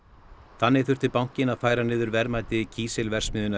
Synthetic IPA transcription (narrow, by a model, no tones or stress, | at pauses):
θanːɪ̥θʏr̥t̪ʏpawŋ̥cɪnaðfaːjɾanɪːðʏɾvɛɾmaːjt̪ɪcʰiːsɛlvɛr̥smɪːðʏna